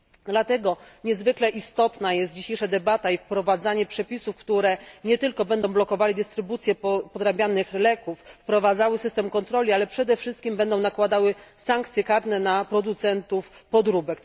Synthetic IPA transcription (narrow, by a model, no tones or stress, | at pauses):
d̪lat̪ɛɡɔɲɛzvɘklɛʔist̪ɔt̪najɛst̪̚d͡ʑiɕejʂad̪ɛbat̪aifpɾɔvad̪zaɲɛpʂɛpʲisufkt̪uɾɛɲɛt̪ɘlkɔbɛnd̪ɔ̃w̃blɔkɔvalid̪ɘst̪ɾɘbut̪sʲjɛpɔd̪ɾabʲjanɘxlɛkufːpɾɔvad̪zawɘsɘst̪ɛmkɔnt̪ɾɔlʲialɛpʂɛd̪ɛfʂɘst̪̚kʲimbɛnd̪ɔ̃w̃nakwad̪awɘsaŋk̚t̪sʲjɛkaɾnɛnapɾɔd̪ut̪sɛnt̪ufpɔd̪ɾubɛk